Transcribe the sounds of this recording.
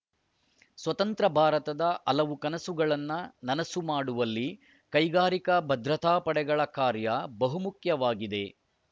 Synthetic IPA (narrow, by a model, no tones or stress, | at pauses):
sʋɐt̪ɐnt̪ɾɐbʱaːɾɐt̪ɐd̪ɐʔɐlɐʋukɐnɐsuɡɐɭɐnːɐnɐnɐsumaːɽuʋɐlːi | kɐjɡaːɾikɐbʱɐd̪ɾɐt̪ʰaːpɐɽɛɡɐɭɐkaːɾjɐbɐɦumukjɐʋaːɡid̪e̞